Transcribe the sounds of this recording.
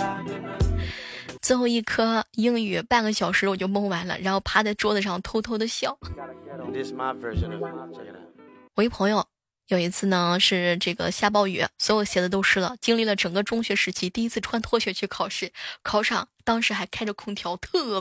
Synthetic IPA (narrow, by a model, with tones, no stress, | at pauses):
t͡sʰɹ̩˥˧xo˥˧ʊi˥˩kʰɤ˥ji˥ŋy˨˩pa˥˩nɡə˩ɕjɑ˨˩ʊʂɻ̩˧˥wɔ˨˩t͡ɕjo˥˧mɤ˥ŋwa˧˥nlə̰˧ɻa˧˥nxo˥˩ʊpʰa˥t͡sa˥˩ɪʈ͡ʂwɔ˥d̪ə˨ʈ͡ʂjɑ˥˧˩ŋt̪ʰo˥ʊt̪ʰo˥ʊd̪ə˨ɕjɑ˥˩ʊ | ɪmavɜ˞ʒə̃n | wɔ˨˩i˥˩pʰɤ˧˥ŋjo˥˧ʊ | jo˨˩ʊi˧˥t͡sʰɹ̩˥˩nə˩ʂɻ̩˥˧ʈ͡ʂɤ˥˩ɡə̰˩ɕja˥˧p̬ɑ˥˩ʊɥɛ̰˧˥swɔ˧˥jo˨˩ʊɕjɛ˧˥d̪ə˧t̪̬o˥ʊʂʰɻ̩˥lə̰˨t͡ɕi˥ŋli˥˩lə˩ʈ͡ʂɤ˨˩ŋɡə˦ʈ͡ʂʊ˥ŋɕɥɛ˧˥ʂɻ̩˧˥t͡ɕʰi˧˥t̪i˥˩i˥t͡sʰɹ̩˥˧ʈ͡ʂʰwa˥˧nt̪ʰwɔ˥˧ɕɥɛ˧˥t͡ɕʰy˥˩kʰɑ˨˩ʊʂɻ̩˥˩kʰɑ˧˩ʊʈ͡ʂʰɑ˨˩˦ŋt̪ɑ˥ŋʂɻ̩˧˥xa˧˥ɪkʰa˥ɪə˨kʰʊ˥ŋt̪ʰjɑ˧˥ʊt̪ʰɤ˥˧˩